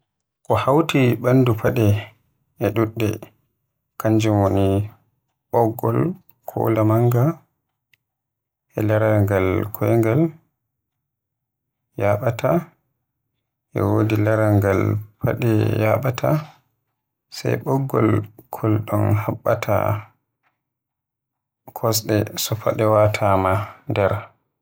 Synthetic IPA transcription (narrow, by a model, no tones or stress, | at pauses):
kɔhawtiɓanːdupʰaɗɛ | ʔɛɗuɗːɛ | kaɲd͡ʒumwoni | ɓɔɡːɔl | kʰɔ̰lamaŋɡa | ʔɛlaɾaŋɡalkʰɔjŋɡal | jaɓatʰa | ʔɛ̰wodilaɾaŋɡalpʰa̰ɗɛjaɓatʰa | sa̰jɓɔɡːɔ̰lkʰɔlɗɔnhaɓːa̰tʰa̰ | kʰɔs̬ɗɛsɔpaɗɛwatʰamandɛɾ